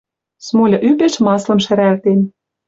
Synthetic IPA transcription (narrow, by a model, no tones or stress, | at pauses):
smolʲɤ̆ʔypeʃmɑslɤ̆mʃɘ̆ɾælt̪en